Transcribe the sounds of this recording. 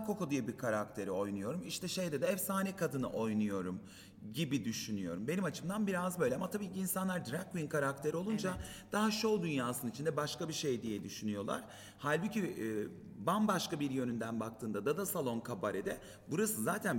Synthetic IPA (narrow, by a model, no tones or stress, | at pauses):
kokod̪ujabikʰaɾak̚t̪ʰe̞ɾio̞jnujo̞ɾumiʃt̪ʰɛʃe̞jd̪ɛd̪ɛɛfsaːnɛkad̪ɯnɯʔo̞jnujo̞ɾum | ɟibid̪yʃynyjo̞ɾumbe̞nimat͡ʃʰɯmd̪anbiɾazbø̞jlʲɛamat̪ʰabiːciːnsanlˠaɾd̪ɾakwinkʰaɾak̚t̪ʰe̞ɾio̞lˠund͡ʒad̪̥aɦaʃod̪ynjaːsɯnit͡ʃʰind̪ɛbaʃkabiʃe̞jd̪ijɛd̪yʃynyjo̞lˠa̰ɾ̥ | halʲbucʰi | banbaʃkabiɾjø̞nynd̪ænbak̚t̪ʰɯːnd̪ad̪ad̪asalˠo̞nkʰabaɾɛd̪ɛ | buɾasɯzaːt̪ʰæn